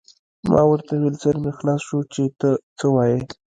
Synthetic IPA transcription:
mɑ̰wəɾt̪awelzəɾmexlɑsʃut͡ʃet̪ət͡səwɑje

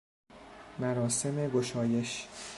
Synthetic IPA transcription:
mæɾɒːse̞meɡoʃɒːje̞ʃ

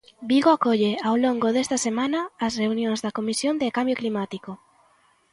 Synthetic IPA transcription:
biɣoakoʎeawloŋɡoðest̪ɐsemãnɐːsreunjõŋzðakomisjond̪ekambjoklimat̪iko

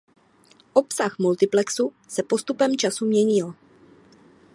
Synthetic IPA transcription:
ʔo̞psaxmult̪ɪplɛksu | sɛpo̞st̪upɛmt͡ʃasumɲɛɲɪl

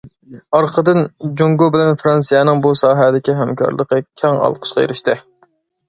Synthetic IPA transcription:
ɑɾqʰəd̪ɨnd͡ʒoŋɡobɪlɛnfɾɑnsijɛnɪŋbusɑːɦɛd̪ɪkʲiɦɛmkʰɑ̰ɾlˠəqəkʲʰɛŋɑ̰lˠqʰə̥ʃqʰɑjḛɾɪʃt̪ʰɨ

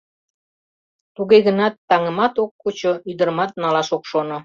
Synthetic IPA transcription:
t̪uɣeɣənɑt̪ːɑŋə̆mɑt̪okːut͡ɕoyd̪ə̆ɾmɑt̪̚nɑlɑʃokʃono

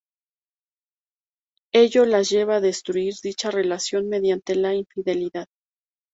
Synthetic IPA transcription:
e̞ʝo̞lazʝe̞βaːðe̞st̪ɾuiɾðit͡ʃare̞lasjo̞nme̞ðjant̪e̞laiɱfiðe̞liðað

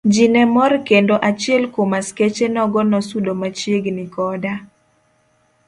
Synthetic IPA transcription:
d͡ʒinɛmɔrkendoʔat͡ʃɪɛlkomasket͡ʃenɔɡɔnɔsudomat͡ʃjeɡnikɔda

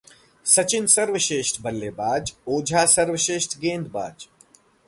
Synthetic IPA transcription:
sɐt͡ʃɪnsɐɾʋəʃeːʃʈʰbɐlːeːbaːd͡ʒoːd͡ʒʱaːsɐɾʋəʃeːʃʈ̪ʰɡẽːnd̪baːd͡ʒ

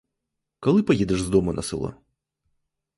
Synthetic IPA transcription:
kɐlˠɨpɐjed̪ɛʂzd̪omɐnɐ̰sɨ̰lˠɔ̰

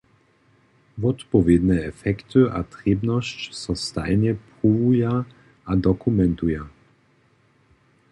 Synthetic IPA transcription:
vɔt̪pɔvʲjed̪nɛɛfɛkt̪ɨʔat̪ʁɛbnɔɕt͡ɕsɔst̪a̰jɲɛpʁuvuja | ʔad̪ɔkumɛnt̪uja

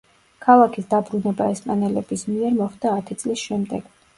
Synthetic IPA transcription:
kʰalˠakʰisd̪abɾunɛbaɛspʼanɛlɛb̥ismiɛɾmɔχd̪aːt̪ʰit̪sʼlisʃɛmd̪ɛɡ̥

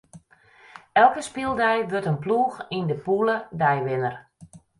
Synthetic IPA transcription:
ɛlˠkəspilˠdɛjʋøtənpluːxindəpulədɛjʋɪnər

